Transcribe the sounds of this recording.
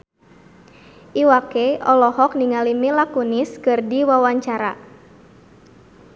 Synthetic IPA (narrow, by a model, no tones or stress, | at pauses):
ʔiwakeɔlɔhɔk̚niŋalimilakuniskɨrdiwawaɲt͡ʃaɾa